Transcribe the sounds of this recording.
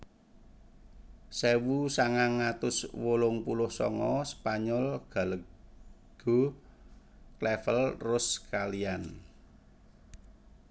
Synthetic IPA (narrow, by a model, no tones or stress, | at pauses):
sewusaŋaŋːat̪ʊswolʊŋpulʊhsɔ̰ŋɔspaɲɔlɡ̥a̤lə | ɡ̥o̤ | klɛfəlrʊskalian